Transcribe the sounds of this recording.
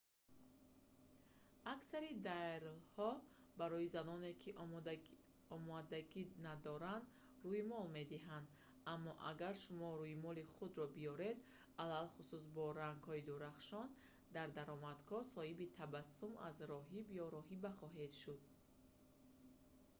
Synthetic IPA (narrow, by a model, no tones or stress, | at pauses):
aksaɾid̪aɾlhɔbaɾɔizanɔne̞kʰiʔ | ɔmɔd̪aɡinad̪ɔɾand̪ | ɾuimɔlme̞d̪iɦand̪ | amːɔʔa̰ɡaɾʃumɔɾuimɔliχud̪ɾɔbijɔɾe̞d̪ | alalχusus̬bɔɾaŋɡhɔid̪uɾaχʃɔn | d̪aɾd̪aɾɔmad̪kʰɔsɔhibit̪ʰabasːuma̰zɾɔɦibjɔɾɔɦibaχɔɦe̞d̪ʃud̪̥̚